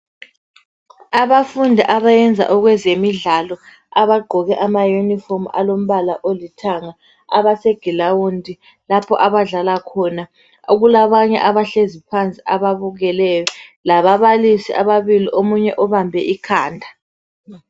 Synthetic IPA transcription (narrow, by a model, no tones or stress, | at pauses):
aβafundʱiʔaβajɛnd͡zʱa̰ʔɔɣwɛzemiɮalɔ | aβaɡ͡ǃʱɔɣɛʔamajunifɔma̰lom̩βalaʔolitʰaŋa | aβaseɡ̥ʱilawundʱi | lapʰɔʔaβaɮalakʰɔna | oɣulaβaɲɛ̰ʔaβaɬezipʰant͡sʼiaβaβuɣɛlɛjɔlaβaβalisiʔaβaβiliʔomuɲɛʔɔβambʱɛʔikʰaːndʱa